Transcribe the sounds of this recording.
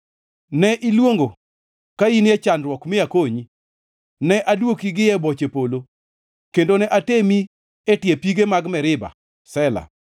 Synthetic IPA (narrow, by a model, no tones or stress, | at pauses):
nɛʔilwoŋɡo | kainɛt͡ʃanrwɔkmɪakoɲi | nɛʔadwokiɡɪjɛbot͡ʃepolo | kendonɛʔatemi | etɪjepiɡemaɡmɛɾɪba̰ | sɛla̰